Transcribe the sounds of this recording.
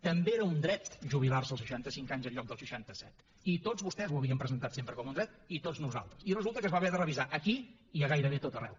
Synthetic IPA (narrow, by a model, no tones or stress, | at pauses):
t̪əmbeeɾəund̪ɾɛt̪ʒuβ̞ilˠarsəlˠsʃəʃant̪əsiŋkaɲzəʎɔk̚d̪əlˠsʃəʃant̪əsɛt̪ | it̪od͡zzβust̪ɛzwəβiəmpɾəzənt̪at̪sempɾəkɔmund̪ɾɛt̪it̪od͡znuza̰lˠt̪ɾəsirəzulˠt̪əkəzβaβɛɾðərəβizaʔəki | iəɣajɾəβ̞et̪ot̪ərɛ̰w